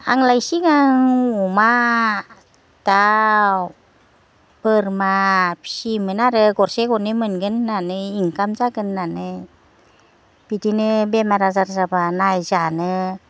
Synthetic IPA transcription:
a̰ŋlajsiŋaŋuma | ta | pərmapsimənaɾəɡɔrsekɔnimɯnɡənːanɯiŋkamzaɡənːanɯ | pitinɯbemaɾazaɾzabanajzanɯ

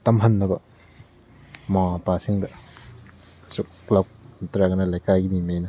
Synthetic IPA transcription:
tɐmɦɐnːɐbɐ | mɐapasiŋdɐ | suk̚klap̚ntɾaɡɐnɐlajkajɡimimejnɐ

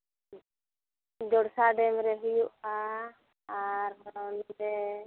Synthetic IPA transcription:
d͡ʒɔɽsaɖɛmɾɛɦujuʔa | aɾɦɔɾanmd̪ɛ

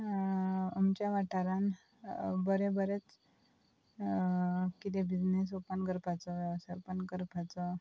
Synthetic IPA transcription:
amt͡ɕjaʋaʈʰaɾan | bəɾebəɾet͡s | kit̪ebid͡znes̬opənɡəɾpʰat͡sɔʋʋsəɾpənkəɾpʰat͡sə

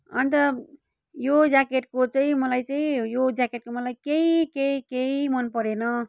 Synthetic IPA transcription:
ʌ̰nit̪ʌ | jod͡zakeʈkot͡saĩmʌlajt͡saĩjod͡zakeʈ̚komʌlajkeikeikeimʌnpʌɾenʌ

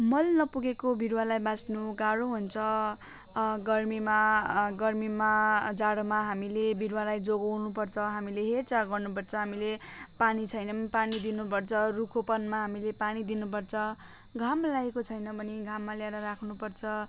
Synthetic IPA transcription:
mʌlnʌpuɡekobʱiɾwalajbasnuɡaɽoɦunt͡sʰʌ | ɡʌrmimaɡʌrmimad͡zaɽomaɦamilebʱiɾwalajd͡zoɡʌwnupʌrt͡sʰʌɦamileɦert͡saɡʌrnupʌrt͡sʰʌɦamilepanit͡sʰʌjnʌpanid̪inupʌrt͡sʰʌrukʰopʌnmaɦamilepanid̪inupʌrt͡sʰʌ | ɡʱamlaekot͡sʰʌjnʌbʌniɡʱamːaljeɾʌɾakʰnupʌrt͡sʰʌ

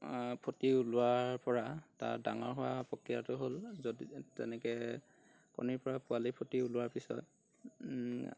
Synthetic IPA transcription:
pʰotiulʊaɹpɔɹata̰ɹdaŋɔɹɦʊwaapɔkɹija̰tʊɦolzoditɛ̰nɛkɛ | kɔ̰niɹpɔɹapʊalipʰotiulʊwaɹpisɔ̰t̚

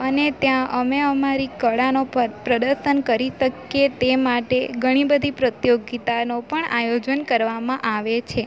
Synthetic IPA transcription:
ənet̪jãʔəmeəmaɾikəɭanopɾəd̪əɾʃənkəɾiʃəkjet̪emaʈeɡʱəɽ̃ibəd̪ʱipɾət̪joɡit̪anopəɳa̰jod͡ʒənkəɾʋamãʔaʋet͡ʃʰe

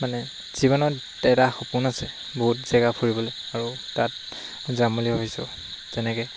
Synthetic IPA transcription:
manɛ | z̥ibɔnɔ | tɛdaxɔpunasɛ | boɦutz̥ɛɡapʰuɹibɔlojaɹutat̚ | zamulibabisɔ | zɛnɛkɛ

